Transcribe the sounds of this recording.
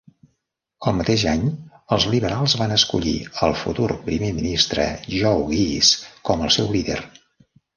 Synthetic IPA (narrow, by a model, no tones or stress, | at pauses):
əlˠmət̪eʒaɲəlˠzliβ̞əɾalˠzβanəskṵʎḭəlˠfut̪urpɾimeminist̪ɾə̰ʒɔwɣiskɔməlˠsɛwliðḛr